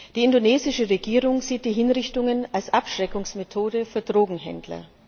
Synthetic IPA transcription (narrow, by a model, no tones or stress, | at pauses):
d̥iːɪndoneːzɪʃəʁeɡiːʁʊŋz̥iːt̚d̥iːɦɪnʁɪçtʊŋənalsʔapʃʁ̥ɛkʊŋsmetʰoːdəfyːɐdʁoːɡŋ̩ɦɛ̰ndlɐ̰